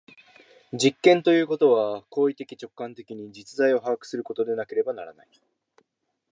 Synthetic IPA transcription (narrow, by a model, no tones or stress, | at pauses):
d͡ʑikːẽ̞nt̪o̞jɯ̟ːko̞t̪o̞βako̞ːit̪e̞kʲi̥t͡ɕo̞kːãnt̪e̞kʲiɲ̟id͡ʑit͡sɨzaio̞ɦaɡakɯ̟̥sɨɾɯ̟ko̞t̪o̞d̪e̞nake̞ɾe̞banaɾa̰na̰i